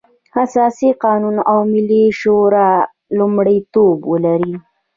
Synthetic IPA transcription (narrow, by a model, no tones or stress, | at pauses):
hasɑsiqɑnunawmɪliʃoɾa | lʊmɽəjt̪obwəlaɾi